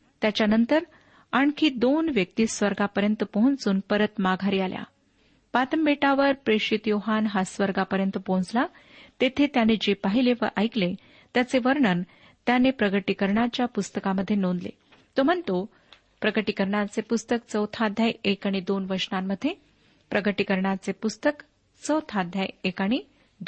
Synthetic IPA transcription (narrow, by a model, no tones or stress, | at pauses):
t̪jat͡ɕjanənt̪əɾ | aɳkʰiːd̪onʋjək̚t̪iːsʋəɾɡapəɾjənt̪əpəɦũnt͡suːnpəɾət̪maɡʱaɾiːalja̰ | pat̪əmbeʈaʋəɾpɾeʂit̪joɦanɦasʋəɾɡapəɾjənt̪əpõnd͡zla | t̪et̪ʰet̪janed͡ʑepaɦileʋə̰ʔajkle | t̪jat͡seʋəɾɳən | t̪janepɾəɡəʈikəɾɳjat͡ɕjapust̪əkaməd̪ʱːjenond̪lḛ | t̪om̤ənt̪o | pɾəɡəʈikəɾɳat͡sepust̪ək̚t͡səwt̪ʰad̪ʱjajekaɽ̃id̪onʋəɾʂnamːəd̪ʱːje | pɾəɡəʈikəɾɳjat͡sepust̪ək | t͡səwt̪ʰad̪ʱjajekaɽ̃i | d̪